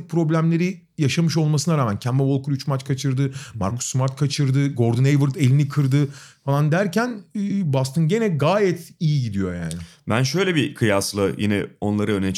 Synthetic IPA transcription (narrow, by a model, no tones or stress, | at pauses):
pʰɾo̞blʲæmlʲe̞ɾi | jaʃamɯʃo̞lˠmasɯnaɾaːmæncʰæmbavo̞lˠkuɾyt͡ʃmat͡ʃkʰat͡ʃʰɯɾd̪ɯma̰ɾkʰu̥sːmaɾt̪̚kʰat͡ʃʰɯɾd̪ɯɡo̞ɾd̪ɯnejvɯɾd̪e̞lʲinikʰɯɾd̪ɯ | falˠand̪æɾcʰænːbast̪ʰɯnɟe̞nɛɡaːjɛt̪ijiɟid̪ijo̞ja̰ːnɪ | bænʃø̞jlʲɛbikʰɯjaslˠɯjḭnɛ̰o̞nlˠaɾɯønɛt͡ʃ